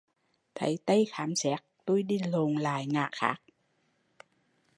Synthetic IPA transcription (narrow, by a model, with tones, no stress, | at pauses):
t̪ʰə˨˦jt̪ə˧jxaː˨˦msɛ˦˥k̚t̪o˧jɗi˧˩lo˨˩ŋla̰ː˧˩jŋa̰ː˧˩xa̰ː˦˥k̚